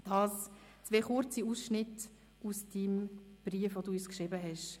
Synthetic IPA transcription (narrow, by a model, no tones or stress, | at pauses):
d̥ɑːs | t͡sʋeχʊɾt͡siuːsʃnɪt | usd̥imb̥riəfʋoduyskʃɾɪbəɦɛʃ